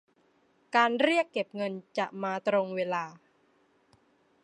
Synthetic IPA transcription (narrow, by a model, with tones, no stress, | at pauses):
kaː˧nɾi˥˩əkːe˨˩p̚ŋɤ˧nt͡ɕa˨˩ʔmaː˧t̪ɾo˧ŋweː˧laː˧